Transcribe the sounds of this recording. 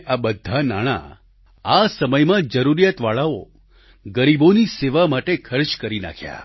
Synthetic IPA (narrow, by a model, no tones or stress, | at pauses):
abəd̪ʱːanaɽ̃a̰ | asəməjmãd͡ʒəɾuɾijat̪ʋaɭao | ɡəɾiboniseʋamaʈekʰəɾt͡ʃkəɾina̰kʰja̰